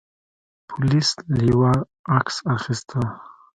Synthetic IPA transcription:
pʰulisliwa | aksaχist̪ʰa

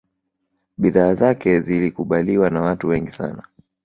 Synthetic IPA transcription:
ɓiðaːzakɛzilikuɓaliwanawatuwɛŋɡisa̰na

